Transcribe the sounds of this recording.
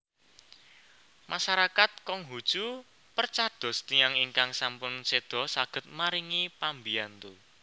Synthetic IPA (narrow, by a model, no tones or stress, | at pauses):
mʔasaɾakat̪̚kɔŋɦud̥ʒ̥u | pərt͡ʃad̪̥ɔ̤st̪ijaŋiŋkaŋsampʊnsed̪̥ɔ̤saɡ̥ə̤t̪̚maɾiŋipambiant̪u